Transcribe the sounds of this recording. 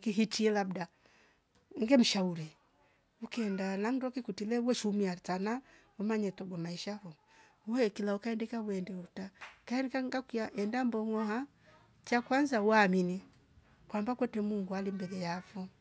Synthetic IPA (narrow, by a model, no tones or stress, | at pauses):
kiɦitiɛlabda | ŋɡɛm̩ʃauɾɛ | ukɛndanaŋdɔkikutilɛwɛʃumiatanawɔmaɲɛtɔɡɔmaiʃakɔ | wɛkilaukaɛndɛkaβwɛndɛutakaɛnɛkaŋɡakijaʔɛndambɔŋɔha | t͡ʃakwanzawamini | kwambakwɛtɛmuŋɡualimbɛlɛjafɔ